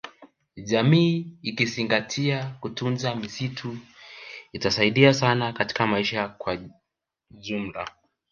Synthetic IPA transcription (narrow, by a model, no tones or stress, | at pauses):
ʄamiːikiziŋɡatʰiakutunzamisitʰu | itasaiɗiasanakati̥kamaiʃakwa | ʄum̩la